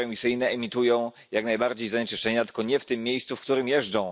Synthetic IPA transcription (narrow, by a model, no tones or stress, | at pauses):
ɛmʲisɘjnɛːmʲit̪ujɔ̃w̃ | jaknajbaɾd͡ʑejzaɲɛt͡ʂɘʂt͡ʂɛɲat̪ɘ̥lkɔɲɛft̪ɘmːʲjejst̪sufkt̪uɾɘmjɛʐd͡ʐɔ̃w̃